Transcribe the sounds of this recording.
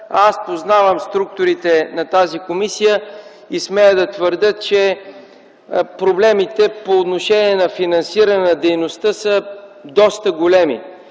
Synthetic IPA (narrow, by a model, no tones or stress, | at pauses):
aspoznavəmst̪ɾuk̚t̪oɾit̪ɛnɐt̪azikomisijə | ismɛjəd̪ɐt̪vəɾd̪ət̪̚t͡ʃɛ | pɾoblɛmit̪ɛpoːt̪noʃɛniɛnɐfinɐnsiɾənɛnɐd̪ɛjnost̪əsəd̪ɔst̪əɡolɛmḭ